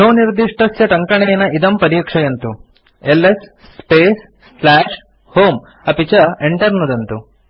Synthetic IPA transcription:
oːniɾd̪iʂʈɐsjɐʈɐŋkɐɳɛjɐnɐid̪ɐmpɐɾiːkʂɐjɐnt̪u | elːes | sːpeːs | laːʂ | hoːm | ɐpit͡ʃɐeɳʈɐɾnud̪ɐnt̪u

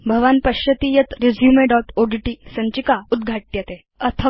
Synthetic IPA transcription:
bʱəʋanpəɕjət̪iːjət̪ɾed͡zjumeɖɔʈoɖiʈisəɲt͡ɕikaud̪ɡʱaʈ̚ːjet̪e | ət̪ʰə

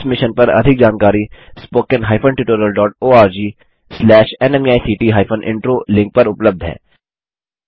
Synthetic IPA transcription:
smɪʃənpɐɾɐ̰d̪ʱɪk̚d͡ʒaːnkaːɾispoːkə̃nɦaːɪpʰənʈɪʈoːɾijəlɖɔːʈoːaːɾd͡ʒiː | slɛːʃɛnɛmiaːisiːʈiːɦaːɪpʰənʔɪ̰̃ɳʈɾoːlɪ̃ŋk̚pɐɾʊpləb̚d̪ʱɦɛ̰ː

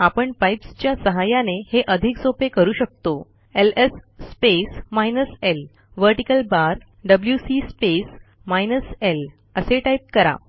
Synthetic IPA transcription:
apəɳpajpst͡ɕjasəɦajãneheʔəd̪ʱiksopekəɾuːɕək̚t̪o | elesːpesmajnəsel | ʋəɾʈikəlbaɾ | ɖəbljusispes | majnəsel | əseʈajp̚kəɾa̰

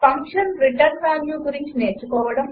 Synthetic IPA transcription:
pɐŋkʂɐnɾiʈɐɾnʋaːnjuːɡuɾiɲt͡ʃineːɾt͡ʃːukɔːʋɐɽɐm

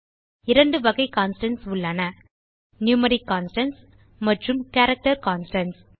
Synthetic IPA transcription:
ɪɾɐɳɖɯʋɐɣɐɪkaːnsʈɐnsʊɭːɐnɐ | njuːmɐɾikːaːnsʈɐns | mɐʈrɯmkaɾɐk̚ʈɐɾkaːnsʈɐns

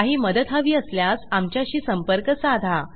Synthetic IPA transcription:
aɦiːməd̪ət̪ɦaʋiːəsljasamt͡ɕjaɕiːsəmpəɾkəsad̪ʱa

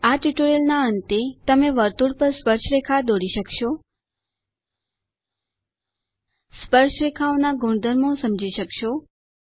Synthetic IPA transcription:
aʈiʈoɾelnaənt̪et̪əmeʋəɾt̪uɽpəɾspəɾʃɾekʰad̪oɽiʃəkʃo | spəɾʃɾekʰaonaɡʱũɳd̪ʱəɾmõsəmd͡ʒiʃəkʃo

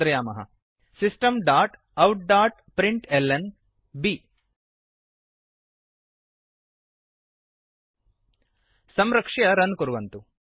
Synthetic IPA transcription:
ɾɐjaːmɐɦɐ̰ | sisʈɐmɖaːʈ | ɐwʈ̚ɖaːʈpɾiɳʈelːen | bi | sɐmɾɐkʂɐjɐɾɐnkuɾuʋɐnt̪u

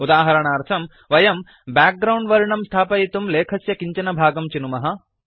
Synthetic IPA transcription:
ud̪aːɦɐɾɐɳaːɾt̪ʰɐm | ʋɐjɐm | baːk̚ɡɾɐwɳɖʋɐɾiɳɐmst̪ʰaːpɐit̪umleːkʰɐsjɐkiɲt͡ʃɐnɐbʱaːɡɐmt͡ʃinumɐɦɐ̆

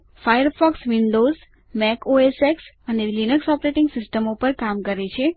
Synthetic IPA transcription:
fajəɾfɔksʋiɳɖoz | mɛkoeseks | ənelinəksɔpɾeʈɪ̃ŋɡsɪsʈəmopəɾkamkəɾet͡ʃʰe

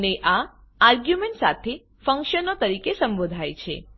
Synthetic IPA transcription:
neʔa | aɾɡjumẽɳʈsa̰t̪ʰe | fə̃ŋkʃənot̪əɾikesəmbod̪ʱajt͡ʃʰḛ

